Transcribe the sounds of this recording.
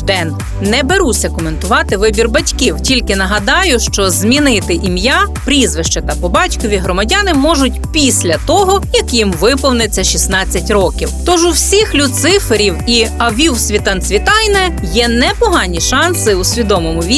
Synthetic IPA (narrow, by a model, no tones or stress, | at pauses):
d̪ɛn | nɛbeɾusʲɐkɔment̪ʊʋɑt̪ɪʋɪbʲirbɐtʲkiwtʲilʲkɪnɐɦɐd̪ɑjʊʃt͡ʃɔzʲmʲinɪt̪ɪʔimjapɾʲizʋɪʃt͡ʃɛt̪ɐpɔbɑtʲkɔʋʲiɦɾɔmɐdʲanɪmɔʒʊt̚ʲpʲisʲlʲɐt̪ɔɦɔjɐkjimʋɪpɔwnɪt͡sʲːɐʃisnɑt͡sʲːɐtʲrɔkʲiwt̪ɔʒʊwsʲixlʲusɪfeɾʲiwiɐʋʲiwsʲʋʲit̪ɐnt̪sʲʋʲit̪ɑjnɛ | jɛnɛpɔɦɑnʲiʃɑnsɪusʲʋʲid̪ɔmɔmʊʋʲi